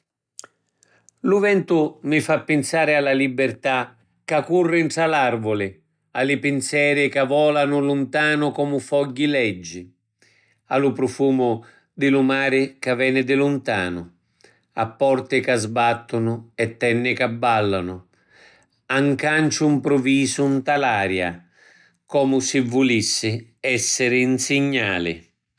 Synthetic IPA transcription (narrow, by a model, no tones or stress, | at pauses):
lʊvɛnt̪ʊmɪfapːɪnsaːɾɪalːalibːɪrt̪a | kːakːurːɪɳʈɾalarvʊlɪ | alɪpɪnsjɛːɾɪkavɔːlanʊlʊnt̪aːnʊkɔmʊfɔɟːilɛd͡ʒːɪ | alʊpɾʊfuːmʊ | d̪ɪlʊmaːɾɪkavɛːnɪd̪ɪlʊnt̪aːnʊ | a̰pːɔrt̪ɪkazbat̪ːʊnʊɛt̪ːɛnːɪkabːalːanʊ | aŋkant͡ʃʊimpɾʊviːzʊnt̪alaːɾja̰ | kɔːmʊsɪvːʊlisːɪɛsːɪɾɪnsɪɲːaːlɪ̰